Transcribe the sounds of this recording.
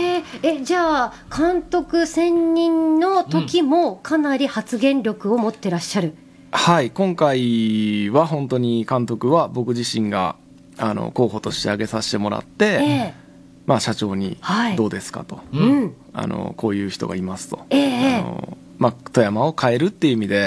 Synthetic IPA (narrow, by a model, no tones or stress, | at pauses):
eed͡ʑaː | kʰãnt̪o̞kɯ̟sẽ̞ɲɲĩnno̞t̪o̞kʲimo̞kʰanaɾʲihat͡sɨɡẽ̞nɾʲo̞kɯ̟o̞mo̞t̪ːe̞ɾaɕːaɾɯ̟ | haikõ̞ŋkaiβaɦõ̞nt̪o̞ɲ̟ikãnt̪o̞kɯ̟βabo̞kɯ̟ʑiɕĩŋɡa̰ | ano̞̰ko̞ːɦo̞t̪o̞ɕi̥t̪e̞̰aɡe̞saɕi̥t̪e̞mo̞ɾa̰t̪ːe̞e | maɕat͡ɕo̞ːɲ̟ihaid̪o̞ːd̪e̞sɨ̥ka̰t̪o̞ɯ̃ | a̰no̰kʰo̞ːjɯ̟ːçʲi̥t̪oɡa̰imasɨ̥t̪o̞̥eːo̰ | mat̪o̞jamao̞kʰae̞ɾɯ̟t̪ːe̞jiɯ̟imʲid̪e̞